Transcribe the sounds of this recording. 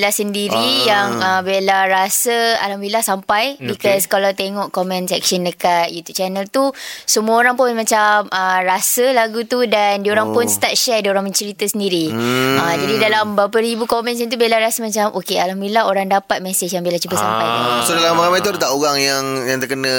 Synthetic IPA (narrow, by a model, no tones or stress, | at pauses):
lahsəndiɾijaŋəbelaɾasəa̰lambilahsampajbikɔskalawt̪eŋɔʔkomɛ̃nsɛk̚ʃəndəkat̪̚jut̪jub̚t͡ʃɛnəlt̪usəmuəoɾaŋpʊnmãt͡ʃamərasəlaɡut̪udandioɾaŋpʊnst̪at̪̚ʃɛdioɾaŋmə̃ɲt͡ʃəɾit̪əsəndiɾiad͡ʒadidalambapəɾibukomɛ̃ns̬it̪ubelaɾasəmãt͡ʃamʔokealambilaɦoɾaŋdapat̪̚mɛset͡ʃjaŋbelat͡ʃubəsa̰mpajsodalamaɾamãjt̪udət̪aʔoɣaŋjaŋjaŋt̪ərkənə̃